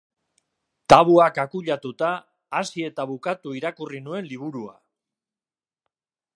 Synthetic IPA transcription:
t̪aβuakakuʎat̪ut̪aː | sie̞t̪aβukat̪uiɾakurinue̞nliβ̞uɾua̰

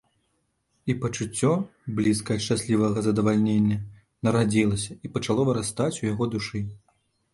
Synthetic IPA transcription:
ipɐt͡ʂut͡sʲːɔblʲiskɐjɐʂt͡ʂasʲlʲivɐɣɐzɐd̪ɐvalʲnʲenʲːɐ | nɐɾad͡zʲilˠɐsʲɐipɐt͡ʂalˠɔvɐɾast̪at͡sʲujaɣɔd̪uʂɨ

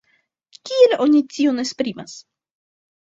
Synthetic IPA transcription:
kʲielo̞nʲitionespɾimas

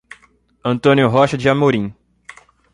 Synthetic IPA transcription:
ɐ̃nt̪õnjʊɦɔʃɐd͡ʒɪamoɾĩ

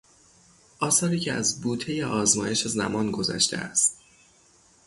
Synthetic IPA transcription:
ʔɒːsɒːɾiːcʰeæ̰zbuːt̪ʰe̞jeʔɒːzmɒːje̞ʃezæmɒːnɡo̞zæ̰ʃt̪ʰḛæ̰st̪̚

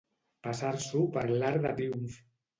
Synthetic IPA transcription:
pasaɾsupaɾlaɾðat̪ɾiuɱf

